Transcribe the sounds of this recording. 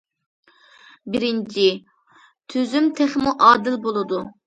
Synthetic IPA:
bɪɾɪnt͡ʃʰi | t̪ʰøzymt̪ʰæχmuʔɑːd̪ɪlbolˠɨd̪u

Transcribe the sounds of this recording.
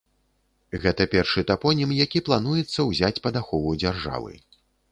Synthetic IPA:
ɣɛt̪ɐpʲɛrʂɨt̪apɔnʲimjakʲiplˠanujɛt̪sːɐwzʲat͡sʲpɐd̪axɔvud͡zʲarʐa̰vɨ̰

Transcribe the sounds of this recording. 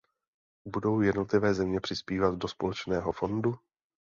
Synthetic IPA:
budo̞wjɛdno̞t̪lɪvɛːzɛmɲɛpr̝̥ɪspiːvat̪dospolɛt͡ʃnɛːɦo̞fo̞ndu

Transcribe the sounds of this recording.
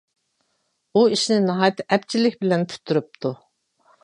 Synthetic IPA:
uiʃnɪnɨɦɑːjt̪ːʔɛp̚t͡ʃʰilɪkʲbɪlɛnpʰy̥t̪ʰːyɾyp̚t̪ʰu

